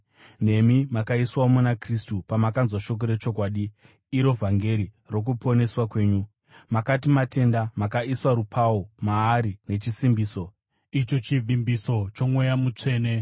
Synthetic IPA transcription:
ne̞mimakaiswaomunakristupamakanzwaʃo̞k̬o̞ɾe̞t͡ʃo̞kwaːɗi | iɾo̞vʱaŋɡe̞ɾi | ro̞k̬upo̞ne̞swakwe̞ːɲu | makatimate̞ndamakaiswaɾupʰaomaːɾine̞t͡ʃisimbiːso̞ | it͡ʃo̞t͡ʃivʱimbiso̞t͡ʃo̞mwejamut͡ʂe̞ːne̞

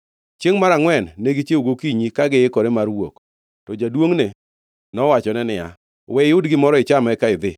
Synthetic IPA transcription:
t͡ʃeŋmaɾaŋwɛnːeɡit͡ʃeuɡokiɲikaɡɪɪkɔɾemarwok | tɔd͡ʒadwoŋne | nɔwat͡ʃɔnɛnɪa̰ | wɛɪʊdɡɪmɔɾɔɪt͡ʃamɛkaɪd̪ɪ

